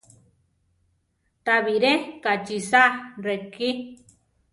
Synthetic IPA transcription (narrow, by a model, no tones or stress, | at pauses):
t̪aβiɾekat͡ʃisareki